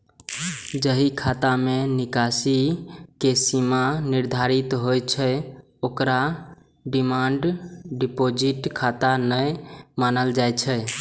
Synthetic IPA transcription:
d͡ʒəɦikʰat̪amenikasikesimaniɾd̪ʱaɾit̪ɦojt͡ʃʰə | okɾa | ɖimaɳɖɖipod͡ʒiʈkʰat̪anəjmanəld͡ʒajt͡ʃʰə

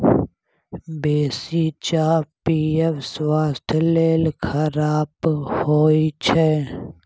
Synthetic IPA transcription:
beːsit͡ʃaːpiːefswaːst̪ʰleːlkʰəɾaːbhoːit͡ʃʰɛː

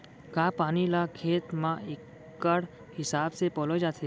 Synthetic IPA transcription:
kaːpaːnilakʰeːt̪mãɪkː | əɽ | hɪsaːbsepɔlod͡ʒaːt̪ʰe

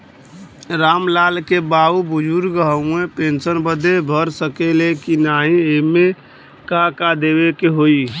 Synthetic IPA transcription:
ɾamlalkebaubud͡ʒuɾɡəɦəũepensənbəd̪ebʱəɾsəkelekinaɦĩeme | kakad̪ebekeɦoi

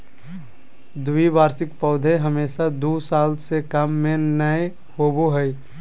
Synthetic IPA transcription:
d̪ʊibaːɾsɪkpɔːd̪ʱeɦəmeːʃad̪uːsaːlsekəmːẽnəe | hoːboɦəi

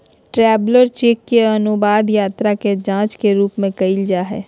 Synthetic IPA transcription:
ʈɾɛːbləɾt͡ʃeːkːeɐnubaːd̪jaːt̪ɾaked͡ʒãːt͡ʃkeɾuːpmẽkɐɪld͡ʒaːɦɛ̰ː

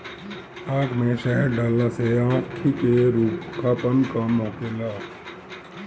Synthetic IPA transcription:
aːɡmẽʃəɦəɾɖaːlːaseãːkʰikeɾuːpkʰaːpənkamoːkelaː

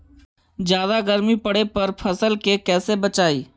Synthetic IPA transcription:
d͡ʒjaːd̪aɡəɾmipəɽepɐɾpʰɐsəlkekɛːsebət͡ʃaːiː

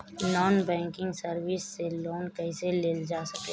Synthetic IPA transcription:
nɔːnbɛ̃ːŋkɪ̃ŋɡsɐɾʋɪsːeloːnkɛiseleːld͡ʒaːsɐkeː

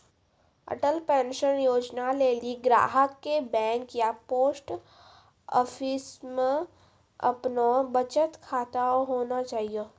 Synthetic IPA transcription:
ə̰ʈəlpɛ̃ːnʃənjoːd͡ʒnaleːliɡɾa̰ːɦəkːebɛ̃ːŋkjapoːsʈ | ɔ̰ːfʰismẽ | ɐ̰pnobət͡ʃət̪kʰaːt̪aoɦoːnat͡ʃaːɦijo

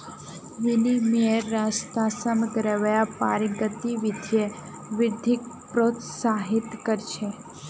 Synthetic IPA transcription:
ʋinimiəɾːast̪asəməɡɾeʋajapaɾiɡət̪iʋɪd̪ʱje | ʋɪɾd̪ʱik̚ | pɾot̪saɦit̪kəɾt͡ʃʰe

